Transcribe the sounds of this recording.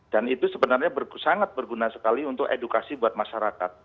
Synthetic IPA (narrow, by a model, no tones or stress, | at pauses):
d̥anit̪usəbənarɲabərsaŋat̪̚bərɡunasə̥kaliunt̪ʊkḛdukasibuat̪̚maʃaɾaka̰t̪̚